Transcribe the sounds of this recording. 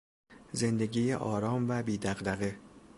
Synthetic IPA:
ze̞nd̪eɟiːjeʔɒːɾɒːmvæbiːd̪æɣd̪æɣe

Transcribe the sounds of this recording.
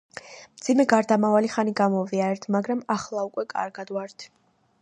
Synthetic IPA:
md̪zimɛɡaɾd̪amavaliχaniɡamɔviaɾɛɾt̪ʰmaɡɾamaχlˠaukʼwɛkʼa̰ɾɡad̪waɾt̪ʰ

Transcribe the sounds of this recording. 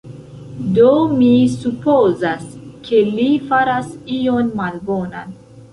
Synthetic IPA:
domisupozaskʰe̞lifaɾasio̞nmalbo̞nan

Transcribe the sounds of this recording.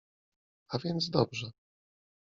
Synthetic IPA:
avʲjɛnd̪zd̪ɔbʐɛ

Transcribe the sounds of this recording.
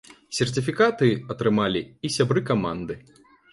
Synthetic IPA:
sʲɛrt̪ʲifʲikat̪ɨɐt̪ɾɨmalʲiisʲabɾɨkama̰nd̪ɨ

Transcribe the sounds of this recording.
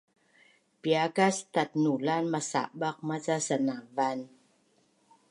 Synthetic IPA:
piakast̪at̪̚nuːlaːnmasa̰ʔbak̚mat͡sasanavan

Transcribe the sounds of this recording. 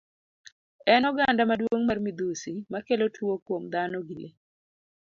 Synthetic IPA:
ɛnɔɡandamadwoŋmarmid̪usimakelotwokwomd̪anɔɡile

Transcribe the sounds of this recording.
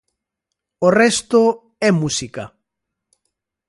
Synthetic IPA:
orɛst̪o | ɛmusikɐ

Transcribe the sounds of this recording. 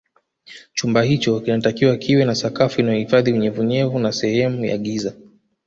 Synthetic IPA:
t͡ʃumbahit͡ʃɔkinatakiwakʰiwɛnasakafuinajɔhifaðiuɲɛvuɲɛvunasɛhɛmuja̰ɠiza

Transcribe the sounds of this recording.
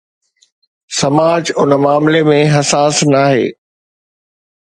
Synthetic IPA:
sɐmaːd͡ʑʊnəmaːmlemẽɦɐsaːsnaːɦḛː

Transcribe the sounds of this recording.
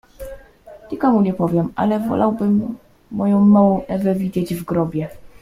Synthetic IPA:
ɲikɔmuɲɛpɔvʲjɛmʔa̰lɛvɔ̰lawbɘmː | ɔjɔ̃w̃mɔwɔ̃ɛvɛvʲid͡ʑed͡ʑvɡɾɔbʲjɛ

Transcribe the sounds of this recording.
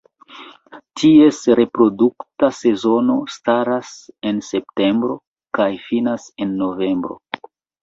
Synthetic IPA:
tʰie̞sɾe̞pɾo̞duktase̞zo̞no̞staɾase̞nse̞p̚te̞mbɾo̞ | kajfinase̞nːo̞ve̞mbɾo̞̰

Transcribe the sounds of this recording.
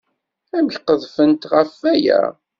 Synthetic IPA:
æmçqəðˤfənt̪ʁəfːæjæ̰

